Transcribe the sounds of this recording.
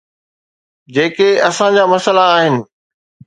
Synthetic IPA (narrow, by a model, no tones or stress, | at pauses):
d͡ʑeːkeɐsãd͡ʑaːmɐsəlaːɦɪnɪ̆